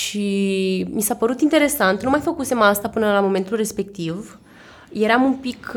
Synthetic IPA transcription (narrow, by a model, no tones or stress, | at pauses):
ʃimisapəɾut̪int̪e̞ɾe̞sant̪numajfəkuse̞mast̪apɨnəlamo̞me̞nt̪ulre̞spe̞k̚t̪iv | je̞ɾamumpik